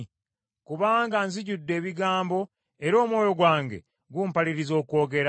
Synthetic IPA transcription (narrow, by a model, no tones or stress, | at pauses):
kuβaːŋɡanziɟudːe̞ːβiɡaːmbo̞ | e̞ɾo̞ːmwo̞ːjo̞ɡwaːŋɡe̞̰ | ɡuːmpaliɾizo̞ːko̞ːɡe̞ɾa